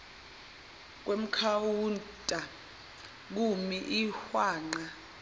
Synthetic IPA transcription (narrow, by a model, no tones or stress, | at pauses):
k̬wem̩kʰawuntʼa | k̬umiʔihwaːŋ͡ǃa